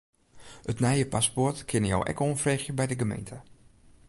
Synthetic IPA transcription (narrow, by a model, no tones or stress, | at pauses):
ətnɛjəpaspɔrtkʰɪnəjo̰wʔɛ̰koːnfreːxjəbɛjdəɡəmḛjntʰə